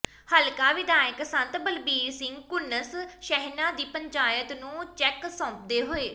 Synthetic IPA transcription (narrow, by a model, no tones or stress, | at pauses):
həlkaːʋɪd̪aːjəksə̃nt̪bəlbiːɾsɪŋɡkʊnːəsʃɛɦnãːd̪iːpəɲt͡ʃaːjət̪nũːt͡ʃɛːksɔ̃ːp̚d̪eːɦoːeː